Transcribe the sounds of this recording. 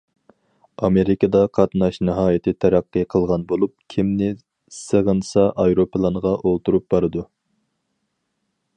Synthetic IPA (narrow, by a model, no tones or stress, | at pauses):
ɑmeɾɪkɑd̪ɑqʰɑt̪nɑʃnɨɦɑːjɪt̪ʰɪt̪ʰɛɾæqːɨqʰəlˠʁɑnbolˠup̚kʲʰimnɪ | səʁənsɑʔɑjɾopʰlˠɑnʁɑʔolˠt̪uɾup̚bɑɾɨd̪u